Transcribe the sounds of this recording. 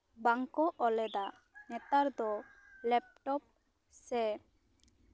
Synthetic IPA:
baŋkɔʔɔlɛd̪a | nɛt̪aɾd̪ɔ | lɛp̚ʈɔp̚ | sɛ

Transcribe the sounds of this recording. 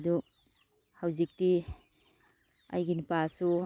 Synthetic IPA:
du | hawzik̚ti | a̰jɡinpasu

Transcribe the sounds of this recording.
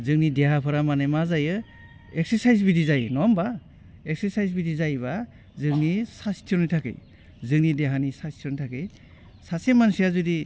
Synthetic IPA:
zɯŋnideɦapʰɯɾamanemazajɯ | ekseɾsajzbidizajnɔmba | ek̚seɾsajzbidizajba | zɯŋnisastʰɔnitʰakḛj | zɯŋnideɦanisastʰiɔnitʰakej | sasemansijazudi

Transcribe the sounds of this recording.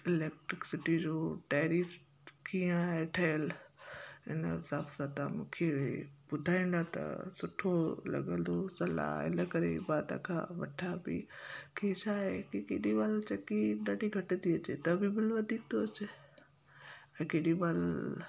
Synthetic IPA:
ɪleːk̚ʈɾɪksɪʈid͡ʑoːʈɛːɾiːf | kijãeʈʰɐjəl | ɪ̰nəsaːbsat̪amũːkʰebʊd̪ʱaːĩːnd̪at̪ɐ̰sʊʈʰolɐ̰ɡə̃nd̪osɐla̰ɪ̰ləkɐɾḛbaːt̪ã̰kʰã̰ʋɐʈʰabḭket͡ɕʰaːɦekikeːɗibaːlt͡ɕɐkiɗaɖiɡʱɐʈə̃d̪iɐt͡ɕet̪ɐbɪbɪlʋɐd̪ʱiːk̚t̪ʰot͡ɕ | ɛ̃keːɗibaːl

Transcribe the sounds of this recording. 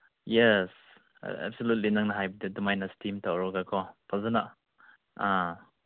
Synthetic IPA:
jes | ɛ̰bsolut̬̚linaŋnaɦajbidudumajnastʰimtawɾɔɡakʰɔpʰazana | a

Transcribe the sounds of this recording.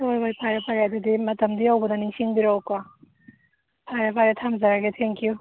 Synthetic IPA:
toɾbajpʰajɾɐpʰaɾadudimɐtɐmd̪iawbɐdɐniŋsiŋbiɾawka | pʰaɾapʰaɾatʰamzaɾaɡet̪ʰeŋkju

